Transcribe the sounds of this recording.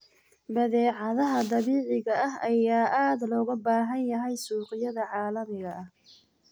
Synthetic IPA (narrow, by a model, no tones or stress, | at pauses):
bɐðɛːʕɑðɐɦɐd̪ɑβiːʕɪɣɐʔɐɦɐjaːʔaːd̪lɔːɣɐbaːɦɐnjɐɦɛjsuːqɪjɐðɐʕɑːlɐmɪɣɐʔɐh